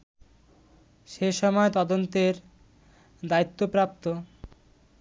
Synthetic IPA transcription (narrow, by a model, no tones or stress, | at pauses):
ʃeʃɔmɔet̪ɔd̪ont̪eɾ | d̪ait̪ːopɾap̚t̪o